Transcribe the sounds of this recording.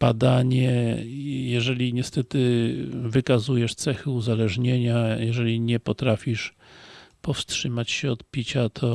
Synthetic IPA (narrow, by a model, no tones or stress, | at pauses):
b̥ad̪aɲɛ | jɛʐɛlʲiɲɛst̪ɛt̪ɘvɘkazujɛʂt̪sɛxɘuzalɛʐɲeɲajɛʐɛlʲiɲɛpɔt̪ɾafʲiʂ | pɔfstʂɘmat͡ɕɕɛɔt̪pʲit͡ɕat̪ʰɔ